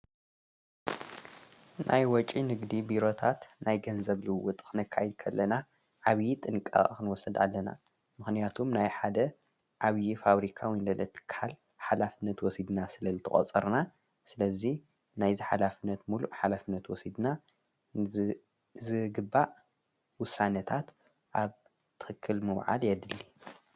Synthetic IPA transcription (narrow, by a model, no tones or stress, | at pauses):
nʔa̰jwɔt͡ʃʼinɨɡd̪ibiɾo̞t̪ʰat̪najɡɐnzɐβlɨwʊt̪ʼkʰɨnɨkʰːa̰jɛd̪̚kʰɐlːɐna | ʕaβjit̪ʼɨŋkʼa̰kɨnwɔsɐd̪a̰lːɐna̰ | mɨxnijat̪ʰumnajħad̪ɐ | ʔaβjifaβɾikʰawind̪ɐlɐt̪ʰːɨ̥kʰːhal | ħalafɨnːɐt̪wɔsid̪nasɨlɐzɨt̪ʰɨχʼɔ̰t͡sʼɐ̰ɾna | sɨlɐzi | najziħalafɨnːɐt̪muluʔħalafɨnːɐt̪wɔsid̪na | zɨɡɨbːaʔ | wʊsːanɐt̪ʰat̪ | ʔaβ | t̪ʰɨ̥xɨkʰːɨlmɨwʕa̰ljɛd̪ɨlːi